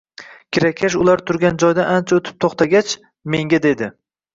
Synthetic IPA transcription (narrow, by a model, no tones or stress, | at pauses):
kʲʰɪɾakʲʰaʃʊlaɾt̪ʰʊɾɡʲand͡ʒɒjd̪aʔant͡ʃʰaot̪ʰɪ̥p̚t̪ʰoχt̪ʰaɡʲat͡ʃ | me̞ŋɡʲad̪e̞d̪ɪ